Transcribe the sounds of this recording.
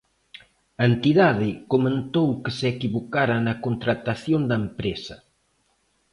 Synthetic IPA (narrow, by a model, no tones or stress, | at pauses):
ɐent̪iðaðɪkomẽnt̪owkɪseekiβokaɾɐnɐkont̪ɾat̪aθjond̪ɐempɾesɐ